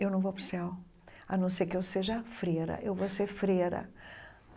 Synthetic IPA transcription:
ewnɐ̃w̃vopɾʊsɛw | anɐ̃w̃sejkɪewseʒɐfɾeɾɐ̰ʔewvosefɾeɾɐ̰

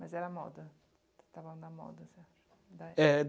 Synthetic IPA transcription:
mɐzɛɾɐmɔ̰d̪ɐ | t̪avɐlɐ̃nɐmɔ̰d̪ɐsɛaʃ | d̪aɛd̪

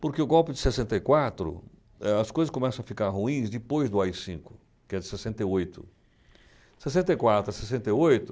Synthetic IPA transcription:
pʊɾkeʊɡɔwpɪd͡ʒɪ̥sesẽnt̪ɐikwat̪ɾʊ̰ | ɛɐskojzɐskõmɛsɐ̃w̃ɐfikaɾɦuĩzd̪ɪpojzd̪ʊaisĩŋkʊ̥ | kɪɛd͡ʒɪsesẽnt̪ɐiojt̪ʰʊ | sesẽnt̪ɐikwat̪ɾʊɐsesẽnt̪ɐiojt̪ʊ

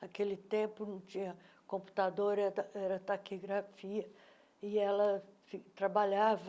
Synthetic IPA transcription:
akelɪt̪ẽpʊnɐ̃w̃t͡ʃĩɲɐ | kõpu̥t̪ad̪oɾɛɐɛɾɐt̪akiɡɾafiɐ | ɪɛlɐfit̪ɾabaʎav

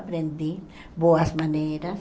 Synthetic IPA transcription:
pɾẽnd̪i | boasmaneɾas

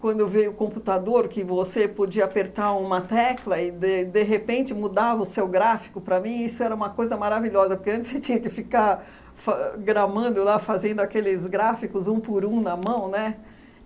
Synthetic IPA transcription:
kwɐ̃nd̪ʊevejʊkõmput̪ad̪oɾkɪvosepod͡ʒiɐapeɾt̪aɾũmɐt̪ɛklɐɪd̪ed̪eɦepẽnt͡ʃɪmud̪avɐʊsewɡɾafi̥kʊpɾɐmĩisʊɛɾɐũmɐkojzɐmaɾaviʎɔzɐpoɾkeɐ̃nt͡ʃɪ̥set͡ʃĩɲɐkɪfika | faɡɾɐmɐ̃d̪ʊlafazẽnd̪ʊakelɪzɡɾafikʊzũpʊɾũnɐmɐ̃w̃nɛ

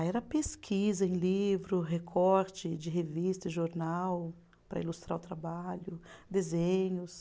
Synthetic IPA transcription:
ɛɾɐpeskʰizɐẽj̃livɾʊɦekʰɔɾt͡ʃɪd͡ʒɪɦevist̪ɐɪʒoɾnaw | pɾɐ̰ilust̪ɾa̰ɾʊt̪ɾabaʎʊd̪ezẽɲʊs

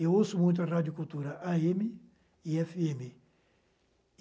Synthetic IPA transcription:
ewosʊmũj̃t̪̬ɐrad̪jokult̪uɾɐʔaemɪ | iɛfiemɪ

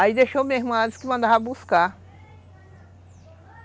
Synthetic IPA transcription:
aid̪eʃomeɦmuãskɪmɐ̃nd̪abuska

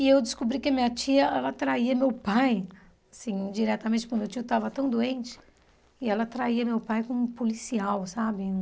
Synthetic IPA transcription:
ɪewd͡ʒɪskobɾikɪɐmĩɲɐt͡ʃiɐʔɛlɐt̪ɾaiɐmewpaj | asĩd͡ʒiɾɛt̪aɐmẽt̪t͡ʃɪt͡ʃikʊ̃mewt͡ʃiʊt̪avɐt̪ɐ̃w̃d̪oẽnt͡ʃɪ̥ | ɪɛlɐt̪ɾaiɐmewpajkõpolisiawsabɪ

